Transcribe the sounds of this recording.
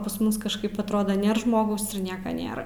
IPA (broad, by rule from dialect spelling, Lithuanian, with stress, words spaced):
pɐs ˈmʊs kɐʃˈkɐɪp ɐtˈroːdoː ˈnʲeːr ˈʒmoːɡɐʊs ɪr ˈnʲiɛkɐ ˈnʲeːrɐ